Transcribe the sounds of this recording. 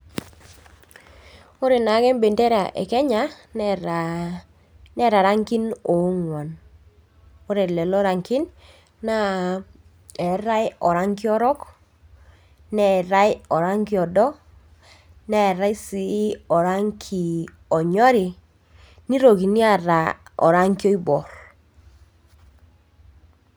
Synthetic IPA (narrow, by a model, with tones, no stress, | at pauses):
o˦ɾe˨na˨˦kɛ˦mbe˨nde˦ɾa˨ʔɛ̰˨kɛ˦ɲa˨˦ | nɛ˦ɾa˨ɾa˦ŋki˦no˨˦ŋwɔ˨n | o˦ɾe˨lɛ˨lɔ˦ɾa˨ŋkɪ˦nː | a˦ | ɛ˨ɾa˦jɔ˨ɾa˦ŋkɪ˦ɔ˦ɾɔ˦k | nɛ˦˨ɾa˦jɔ˨ɾa˦ŋki˦ɔ˨dɔ˦ | nɛ˦˨ɾa˦i˦si˦ɔ˨ɾa˦ŋkʰi˨ | ɔ˨ɲɔ˦ɾi˨ | ni˦ɾo˨ki˨ni˦a˨ɾa˨ɔ̰˨ɾa˦ŋki˦o˦i˦bɔ˨ɾ